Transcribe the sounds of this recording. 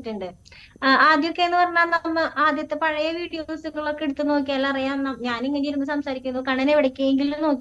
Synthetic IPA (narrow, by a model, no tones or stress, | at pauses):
tːuɳɖɨ | aːd̪jokːeenːɨpɐrɐɲːaːnnɐmːɨʔaːd̪jɐt̪ːepɐɻɐjɐʋiːɽijosɨɣɐɭo̞kːeɽut̪ːɨno̞ːkʲːiɐlːaɐrijaːmnːɐmɲaːneŋːɐneiɾunːɨsɐmsaːɾikʲːunːɐðkɐɳɐneʋiɽɐkʲːueŋɡilumno̞ːkː